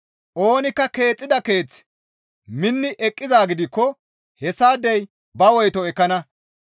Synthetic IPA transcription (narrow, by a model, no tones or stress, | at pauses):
ʔo̞ːnɪkːɐke̞ːt͡sʼːɪd̪ɐke̞ːt͡s | mɪnːɪʔɛkʼːɪzaːɡɪd̪ɪkːɔ | hɛsːaːd̪ɛj | bɐwɔjt̪ɔɛkːɐnɐ